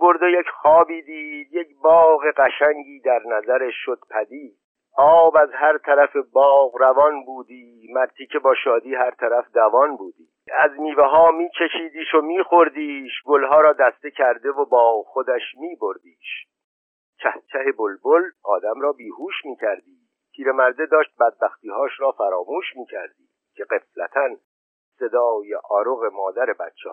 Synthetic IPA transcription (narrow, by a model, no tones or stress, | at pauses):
bo̞ɾd̪ejecχɒːbiːd̪iːd̪jecbɒːɣeɢæʃæŋɟiːd̪æɾnæzæɾeʃʃːod̪̥pʰæd̪iːd̪̥ | ʔɒːbæzhæɾt̪ʰæɾæfe̞bɒːɣɾævɒːnbuːd̪iː | mæɾt̪ʰicʰebɒːʃɒːd̪iːɦæɾt̪ʰæɾæfd̪ævɒːnbuːd̪iːæzniːveɦɒːmiːt͡ʃʰeʃiːd̪iːʃomiːχo̞ɾd̪iːʃɡolɦɒːɾɒːd̪æst̪ecʰæɾd̪e̞vobɒːxod̪æʃmiːbo̞ɾd̪iːʃ | cʰæhcʰæɦe̞bolbolʔɒːd̪æmɾɒːbiːhuːʃmiːcʰæɾd̪iː | t̪ʰiːɾe̞mæɾd̪e̞d̪ɒːʃt̪̚bæd̪̚bæxt̪iːɦɒːʃɾɒːfæɾɒːmuːʃmiːcʰæɾd̪iː | cʰe̞ɡe̞flæt̪ʰæn | se̞d̪ɒːjeʔɒːɾoɣe̞mɒːd̪æɾe̞bæ̰t̪t͡ʃʰːḛh